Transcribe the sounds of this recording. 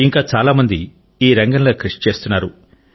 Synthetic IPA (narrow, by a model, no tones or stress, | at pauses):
iŋkaːt͡ʃaːlaːmɐnd̪i | iːɾɐŋɡɐnloːkɾiʂt͡ʃe̞ːst̪unːaːɾu